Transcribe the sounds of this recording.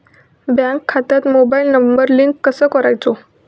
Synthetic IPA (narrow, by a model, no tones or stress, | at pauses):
bjãŋkʰːat̪at̪mobailnəmbəɾliŋkːəsəːkəɾajt͡so